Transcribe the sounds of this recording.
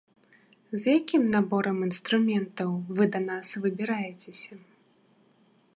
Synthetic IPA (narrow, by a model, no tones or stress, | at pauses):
zjakʲimnabɔɾɐminst̪ɾumʲɛnt̪ɐwvɨd̪ɐnasvɨbʲiɾajɛt͡sʲesʲɐ